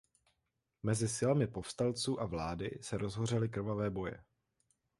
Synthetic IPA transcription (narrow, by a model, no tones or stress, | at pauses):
mɛzɪsɪlamɪpo̞fst̪alt͡suːʔavlaːdɪ̰sɛɾʔo̞zɦo̞rɛlɪkr̩vavɛːbo̞jɛ̰